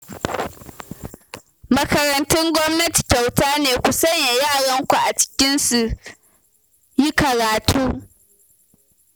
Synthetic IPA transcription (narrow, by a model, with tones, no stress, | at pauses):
mɐ˦kɐ˨ɾɐ˨ntʊ˦ŋɡʷɔ˦mnɐ˦ti̥˨ta˨wtaː˦neː˨kʷu˨sɐ˦ɲja˨jaː˦˨ɽɐ˦ŋkʷu˨ʔa˨t͡ʃɪ̥˦kʲɪ˦nsu˨ | ji˦kɐ˨ɾaː˨tʰuː˦